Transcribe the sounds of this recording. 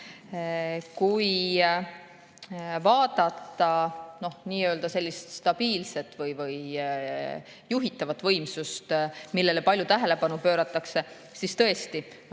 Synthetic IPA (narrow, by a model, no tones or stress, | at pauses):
kuj | vɑːd̪̥ɑt̪ːˑɑno̞hniːø̞ld̪̥ɑse̞lʲːist̪st̪ɑb̥iːlse̞t̪ːˑvɤjvɤj | juɦit̪ːˑɑvɑt̪ːˑvɤ̞jmsust̪milːe̞le̞pɑlʲjut̪æɦele̞pɑnupø̞ːɾɑt̪ːˑɑkse̞ | sist̪ɤ̞e̞st̪i